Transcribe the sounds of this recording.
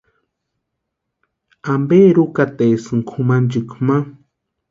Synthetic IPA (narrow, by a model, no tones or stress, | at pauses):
ambeːɾukat̪esɨŋkʰumand͡ʒɨkma